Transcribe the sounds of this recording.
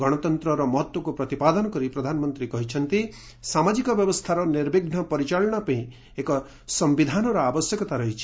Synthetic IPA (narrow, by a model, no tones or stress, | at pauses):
ɡɔɽ̃ɔt̪ɔnt̪ɾɔɾɔmɔɦɔt̪wɔkupɾɔt̪ipad̪ɔnɔkɔɾipɾɔd̪ʱanɔmɔnt̪ɾikɔɦit͡ʃʰɔnt̪i | samad͡ʒikɔbjɔbɔst̪ʰaɾɔniɾbeɡnɔpɔɾit͡ʃaɭɔɽ̃ɔpaĩ | ekɔ | sɔmbid̪ʱanɔɾɔabɔsjɔkɔt̪aɾɔɦit͡ʃʰi̥